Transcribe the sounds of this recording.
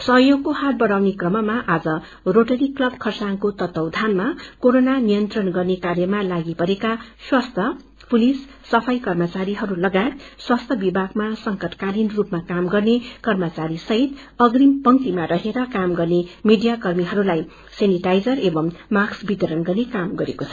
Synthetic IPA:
sʌɦjoɡkohat̪̚bʌɽawnekrʌmʌmaʔad͡zʌ | roʈʌɾiklʌbkʰʌrsaŋkot̪ʌt̪ːʌwd̪ʱanmakoɾonanijʌnt̪rʌnɡʌrnekarjʌmalaɡipʌɾekaswast̪ʰjʌ | pulisː | ʌpʰʌjkʌrmʌt͡saɾiɦʌɾulʌɡaet̪̚swast̪ʰʌbibʱaɡmasʌŋkʌʈkaɾinrupmakamɡʌrnekʌrmʌt͡saɾisʌɦit̪ | ʌɡrimpʌŋt̪imaɾʌɦeɾʌkamɡʌrnemiɖijakʌrmiɦʌɾulaj | seniʈajd͡zʌrebʌmmaksbit̪ʌɾʌnɡʌrnekamɡʌɾekot͡sʰʌ

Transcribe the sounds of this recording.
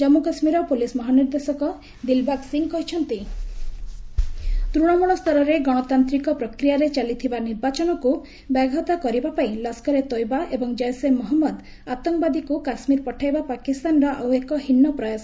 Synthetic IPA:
d͡ʒɔmukasmiɾɔpulismɔɦaniɾd̪esɔkɔ | d̪ilbaɡsiŋkɔɦit͡ʃʰɔnt̪i | t̪ɾuɽ̃ɔmɔɽ̃ɔst̪ʰɔɾɔɾeɡɔɽ̃ɔt̪ant̪ɾikɔpɾɔkɾijaɾet͡ʃalit̪ʰibaniɾbat͡ʃɔnɔku | baɡʱɔt̪akɔɾibapaĩlɔskɔɾet̪ojbaʔebɔŋd͡ʒɔjsemɔɦɔmːɔd̪ | at̪ɔŋbad̪ikukasmiɾpɔʈʰajbapakist̪anɾɔʔawekɔɦinːɔpɾɔjas

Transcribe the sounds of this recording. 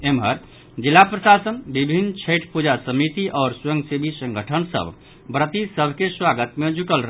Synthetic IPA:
emɦəɾ | d͡ʒilːapɾəsasənbibʱinːt͡ʃʰəɪʈʰpud͡ʒasəmit̪iʔɔːɾswəŋɡsebʱisə̃ŋɡʱəʈʰənsə̰bʱ | bɾət̪isəbʱkeswaɡət̪med͡ʒukəlɾ

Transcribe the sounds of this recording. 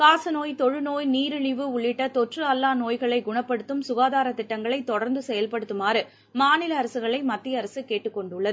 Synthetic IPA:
kaːsɐnoːjt̪ɔɻɯnoːjniːɾɪɭɪʋɯʊɭːɪʈːɐt̪ɔʈrɯɐlːaːnoːjɣɐɭɐɪɡʊɳɐpːɐɽɯt̪ːɯmsʊɣaːðaːɾɐt̪ːɪʈːɐŋɡɐɭɐɪt̪ːɔɽɐɾnd̪ɯsɛjɐlpɐɽɯt̪ːɯmaːɾɯ | maːnɪlɐːɾɐsɯɣɐɭɐɪmɐt̪ːɪjɐːɾɐsɯkeːʈːɯkːɔɳɖʊɭːɐð

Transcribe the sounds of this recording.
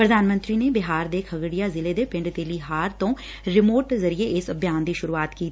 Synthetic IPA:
pɾəd̪ʱaːnmə̃nt̪ɾiːneːbɪɦaːɾd̪eːkʰəɡɽɪjaːzɪleːd̪eːpɪ̃ɳɖt̪eːliːɦaːɾt̪õː | ɾɪmoːʈzəɾieːʔɪsəbjaːnd̪iːʃʊɾuːaːt̪kiːt̪i

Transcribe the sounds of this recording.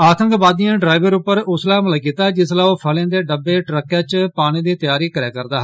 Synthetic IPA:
aːt̪ə̃ŋkbaːd̪ɪjãːɖɾaːɪʋəɾʊpːəɾʊslaːmələkiːt̪aːd͡ʒɪslaːoːpʰəlãːd̪eːɖəbeːʈɾəkːaːt͡ʃpaːɽ̃ĩːd̪iːt̪jaːɾiːkəɾeːkəɾd̪aːɦ

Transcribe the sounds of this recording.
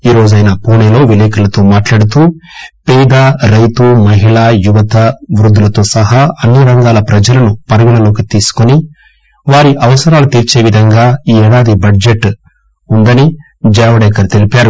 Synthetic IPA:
iːɾo̞ːd͡ʒɐjnaːpuːneːlo̞ːʋileːkɐlɐt̪o̞ːmaːʈlaːɽut̪̬uːpɛːd̪aːɾɐjt̪umɐɦiɭaːjuʋɐt̪ɐʋɾud̪ːulɐt̪o̞ːsɐɦaːɐnːiɾɐŋɡaːlɐpɾɐd͡ʒɐlɐnupɐɾɐɡinɐlo̞ːkit̪iːsu̥koni | ʋaːɾiʔɐʋɐsɐɾaːlut̪iːɾt͡ʃe̞ːʋid̪ʱɐŋɡaːiːɛːɽaːd̪ibɐɖd͡ʒe̞ʈː | und̪ɐni | d͡ʒɛːʋɐɽɛːkɐɾt̪e̞lipaːɾu

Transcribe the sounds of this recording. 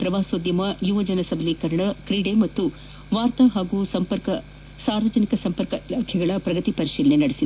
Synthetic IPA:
pɾɐʋaːsoːd̪jɐmɐjuʋɐd͡ʒɐnɐsɐbʱɐlikɐɾɐɳɐkɾiːɽemɐt̪ːu | ʋaːɾt̪ɐɦaːɡusɐmpɐɾkɐ | saːɾʋɐd͡ʒɐnikɐsɐmpɐɾkɐʔilaːkʰɛɡɐɭɐpɾɐɡɐt̪ipɐɾiʂiːlɐnenɐɽisid̪

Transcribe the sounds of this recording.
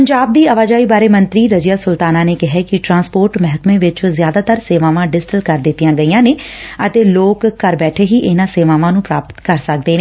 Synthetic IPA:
pəɲd͡ʒaːb̚d̪iːəʋaːd͡ʒaːiːbaːɾeːmənt̪ɾiːɾəd͡ʒjaːsʊlt̪aːnaːneːkɪɦɛːkɪʈɾãːnspoːɾʈmɛɦkmẽːʋɪt͡ʃːzjaːd̪aːt̪əɾseːʋãːʋãːɖɪsʈəlkəɾd̪ɪt̪ːijãːɡəiːãːneːət̪eːloːkːəɾbɛːʈʰeːɦiːʔɪnãːseːʋaːʋãːnũːpɾaːpət̪kəɾsək̚d̪eːneː

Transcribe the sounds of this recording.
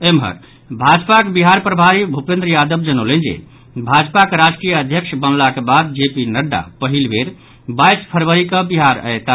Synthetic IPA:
emɦə̰ɾ | bʱad͡ʒpakebiɦaɾpɾəbʱaɾibʱupẽnd̪ɾəjad̪əbd͡ʒənolẽnd͡ʒḛ | bʱad͡ʒpakeɾad͡ʒkɾijəəd̪ʱjəkʃʰbənlakebad̪̚d͡ʒepinəɖːa̰pəɦilbeɾ | bajspʰəɾbəɾikəbiɦaɾə̰et̪a

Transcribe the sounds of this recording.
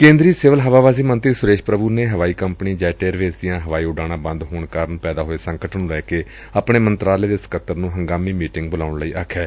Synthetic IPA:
kẽːnd̪ɾiːseʋəlɦəʋaːʋaːziːmənt̪ɾiːsʊɾeːʃpɾəbuːneːɦəʋaːiːkəmpniːd͡ʒɛːʈeːɾʋeːsd̪ijãːɦəʋaːiːʊɖaːɽ̃ãːbə̃nd̪ɦoːɳkaːɾəɳpɛːd̪aːɦoːeːsəŋkəʈʰnũːɾɛːkeː | aːpɳeːmənt̪ɾaːleːd̪eːsə̥kət̪ːəɾnũːɦəŋɡaːmiːmiːʈɪ̃ŋɡbʊlaːʊɳləiːʔaːkʰːɛː

